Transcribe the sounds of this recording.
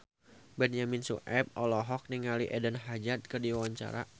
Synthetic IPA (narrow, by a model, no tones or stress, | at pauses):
bɛnjaminsṵʔɛp̚ɔlɔɦɔk̚niŋaliʔɛdənɦad͡ʒat̪̚kərdiwawaɲt͡ʃa̰ɾa̰